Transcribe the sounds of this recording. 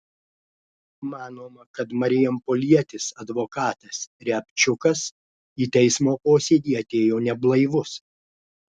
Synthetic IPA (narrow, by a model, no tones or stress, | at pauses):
mɑːnoːmɐkɐt̪mɐɾʲɪjɛmpɔlʲiɛt̪ʲɪsɐd̪ʋoːkɑːt̪ɐsɾʲɛpʲt͡ʃʲʊkɐs | iːt̪ʲɛɪsmoːpoːsʲed̪ʲiːɐt̪ʲeːjoːnʲɛblˠɐɪʋʊs